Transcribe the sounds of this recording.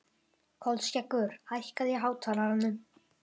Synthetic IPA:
kʰɔlscɛkːʏɾ̥ajhkaðjɛɦaːwt̪ʰaːlaɾanːʏm

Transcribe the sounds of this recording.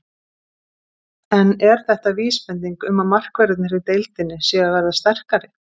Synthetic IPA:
ɛnɛɾ̥θɛht̪aviːspɛnt̪̬iŋkʏmamar̥kvɛɾɪt̪nɪɾit̪ejlt̪ɪnːɪsjɛːɣavɛɾðast̪ɛr̥kaɾɪ

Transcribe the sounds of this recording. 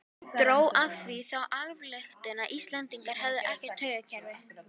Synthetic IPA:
t̪ɾoːwʔavθviθawʔalvlext̪ɪnaʔist̪lɛnt̪iŋkaɾ̥ɦɛvðɪʔɛhcɛ̥t̪ʰːœːɥjɣacʰɛɾvɪ

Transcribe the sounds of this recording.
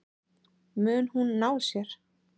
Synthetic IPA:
mʏːnhunːaːwsjɛɾ̥

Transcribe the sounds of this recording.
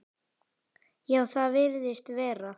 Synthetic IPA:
jawθaðvɪɾðɪst̪vɛːɾa

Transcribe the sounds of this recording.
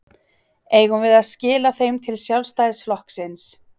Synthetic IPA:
eːjɣʏmvɪðaðscɪːlaθejmt̪ʰɪlsjawlst̪ajðsflɔhksɪns

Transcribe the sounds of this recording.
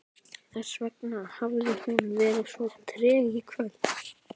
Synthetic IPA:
θaɾ̥svɛknahavðʏhunvɛːɾɪsvɔ̥t̪ʰɾɛːɣikʰvœl

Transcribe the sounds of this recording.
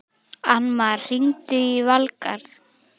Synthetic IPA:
anmaɾr̥int̪ʏivalkaɾθ

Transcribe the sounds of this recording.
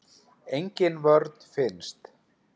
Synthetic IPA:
ejɲcɪnvœɾt̪n̥fɪnst̪

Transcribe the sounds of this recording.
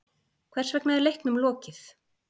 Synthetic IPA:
kʰvɛr̥svɛknaðɪɾlejhknʏmlɔːcɪθ

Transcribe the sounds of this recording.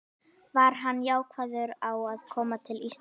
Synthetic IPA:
vaɾ̥ɦanːjaːwkʰvajðʏɾawaðkʰɔːmat̪ʰɪlis

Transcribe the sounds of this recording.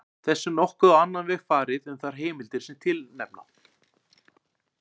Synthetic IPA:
θɛsːʏnɔhkʏðaanːanvɛɣfaːɾɪðʏmθaɾ̥ɦeːmɪlt̪ɪɾ̥sɛmt̪ʰɪlnɛ̰pna̰

